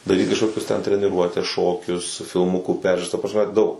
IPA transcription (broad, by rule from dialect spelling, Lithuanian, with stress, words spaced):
dɐˈrʲiːt kɐʃˈkoːkʲʊs tʲɛn tʲrʲɛnʲɪˈruɔtʲɛs ˈʃoːkʲʊs fʲɪlˠˈmʊkuː ˈpʲɛrʲʒʲuːrɐs tɐ prɐsʲˈmʲɛ ˈdɐʊk